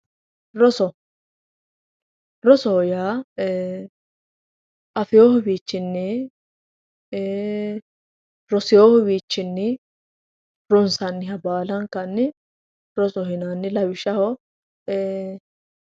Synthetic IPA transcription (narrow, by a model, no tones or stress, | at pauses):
ɾɔsɔ | ɾɔsɔhɔjaː | ʔɐfɪjoːhʊbiːt͡ʃːɪnːɪ | ɾɔsɪjoːhʊbiːt͡ʃːɪnːɪ | ɾɔnsɐnːɪɦɐbaːlɐŋkɐnːɪ | ɾɔsɔhɪnanːɪlɐwɪʃɐhɔː